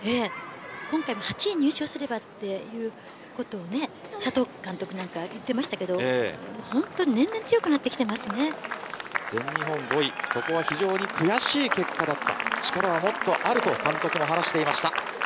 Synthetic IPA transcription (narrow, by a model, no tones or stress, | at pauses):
eːkõ̞ŋkaimohat͡ɕiɲ̟ɨːɕiosɨɾe̞bat̪ːe̞jɯ̟ː | ko̞t̪o̞ːne̞sat̪o̞ːkãnt̪o̞kɯ̟nãŋkajɯt̪ːe̞maɕi̥t̪ake̞d̪o̞ehõ̞nt̪o̞ɲinẽ̞nd̪ent͡sɨjo̞kɯ̟nat̪ːe̞kʲi̥t̪e̞masɨne̞ | z̥ẽ̞ɲɲiɦõ̞ŋɡo̞iso̞ko̞β̞açiʑo̞ːɲ̟ikʰɯ̟jaɕiːke̞kːad̪at̪ːa̰t͡ɕi̥kaɾaβamo̞t̪ːo̞ʔaɾɯ̟t̪o̞kãnt̪o̞kɯ̟mo̞ɦanaɕi̥t̪e̞imaɕi̥t̪a